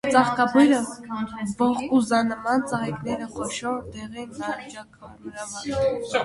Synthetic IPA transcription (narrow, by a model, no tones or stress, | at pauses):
t͡sɑχkɑbujɾə | bɔχkʼuzɑnəmɑnt͡sɑʁɛknɛɾəχɔʃɔɾd̪ɛʁɛnːɾɑvit͡ʃɑkməɾɑɑɛ